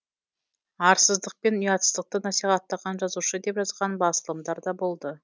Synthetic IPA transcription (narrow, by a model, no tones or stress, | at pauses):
ɑɾsəzd̪əq̚pe̞njɑt̪səzd̪əq̚t̪ənɑsiχɑt̪ːɑʁɑnʒɑzuʃəd̪e̞pʒɑzʁɑnbɑsəlˠəmd̪ɑɾd̪ɑbo̞lˠd̪ə